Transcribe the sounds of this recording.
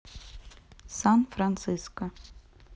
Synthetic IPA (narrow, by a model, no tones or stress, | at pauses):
sanfrant̪sɨskɐ